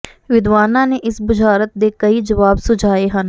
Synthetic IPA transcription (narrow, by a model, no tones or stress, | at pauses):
ʋɪd̪ʋaːnãːneʔɪsbʊd͡ʒʱaːɾət̪̚d̪eːkɐid͡ʒəʋaːbsʊd͡ʒʱaːeɦən